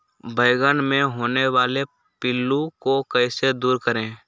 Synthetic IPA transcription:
bəɪɡənmẽɦoːneʋaːle | pɪlːukokəɪsed̪uːɾkəɾẽː

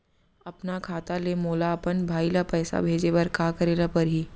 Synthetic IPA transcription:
ɐpnakʰaːt̪alemoːlaɐpənbʱaːilapɛːsa̰bʱeːd͡ʒebɐɾkaːkɐɾeːlapɐɾɦiː

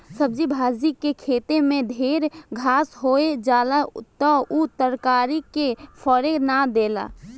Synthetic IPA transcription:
səb̚d͡ʒibʱad͡ʒikːekʰet̪emẽd̪ʱeɾɡʱasɦoed͡ʒalat̪ɔut̪əɾkaɾikepʰəɾenad̪ela̰

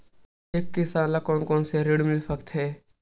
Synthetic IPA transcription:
ekːisãːlakoːnkõːnseɾeɽmɪlfʰəkt̪ɦɛː

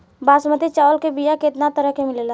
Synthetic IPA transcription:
baːsməd̪it͡ʃaːʋəlkebijakeɪt̪nat̪əɾəɦkemɪlela

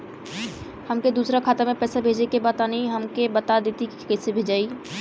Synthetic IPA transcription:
həmked̪uːsɾakʰaːt̪amẽpɛːsabʱeːd͡ʒekebaːt̪aniɦəmkebət̪ad̪et̪ikikəːsebʱeːd͡ʒaːiː

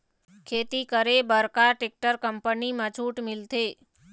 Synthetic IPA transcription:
kʰet̪ikəɾebəɾkaʈek̚ʈəɾkəmpənimãt͡ʃʰuʈmɪlt̪e

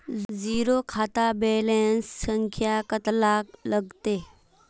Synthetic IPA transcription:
d͡ziɾokʰat̪abɛlensːəŋkʰjakət̪lakləɡt̪e

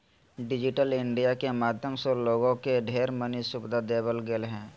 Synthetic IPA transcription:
ɖɪd͡ʒɪʈəlɪ̃ɳɖijakemaːd̪ʱjəmsoloːɡõkeɖʱeːɾmənisʊbd̪ʱad̪eːbəlɡelɦɛ̃ː

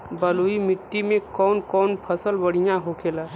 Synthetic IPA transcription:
bəluimɪʈːimẽkɔːnkɔːnpʰəsəlbəɽ̤ijãɦokʰela

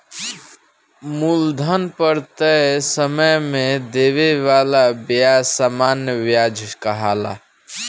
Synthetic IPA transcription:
muld̪ʱənpəɾt̪əsəməjmed̪eβeʋalabasamanjəʋjad͡ʒʱkəɦala̰

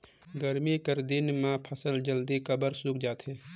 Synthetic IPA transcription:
ɡəɾmikəɾd̪ɪnmãpʰəsəld͡ʒəld̪ikəbəɾsukʰd͡ʒaːt̪ɦɛː

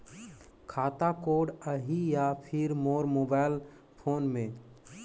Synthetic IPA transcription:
kʰaːt̪akoːɖəɦijapʰɪɾmoːɾmoːbaːɪl | pʰoːnmẽ

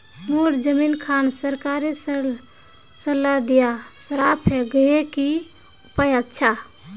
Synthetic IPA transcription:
moɾd͡ʒəminkʰansəɾkaɾes | səlːad̪ijasəɾapʰeɡəjeki | upəjətːt͡ʃʰa

